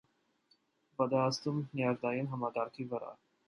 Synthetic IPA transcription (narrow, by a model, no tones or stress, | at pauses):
bɑd̪ɛɑst̪umniɑɾd̪ɑjinɦɑmɑkɑɾkʰivəɾɑ̰